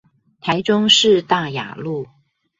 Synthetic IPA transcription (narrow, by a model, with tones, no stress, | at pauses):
t̪ʰa˧˥ɪʈ͡ʂʊ˥ŋʂɻ̩˥˧t̪a˥˩ja̰˨˩lu˥˩